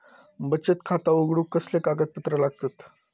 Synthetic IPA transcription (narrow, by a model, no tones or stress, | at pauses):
bət͡ɕət̪kʰat̪aoɡɽukəslekaɡət̪̚pət̪ɾəlaɡ̚t̪ət̪